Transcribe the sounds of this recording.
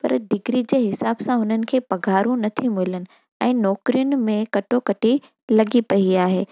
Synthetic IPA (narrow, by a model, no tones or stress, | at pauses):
pɐ̰ɾɖɪɡɾid͡ʑeːɦɪsaːbsãɦʊn̤ənɪ̆kʰeːpɐɡʱaːɾũnɐt̪ʰimʊɪlənɪ̆ | ɛ̃ːnɔːkɾijʊnɪ̆mẽkɐʈʰokɐʈi | lɐɡipɐiaːɦeː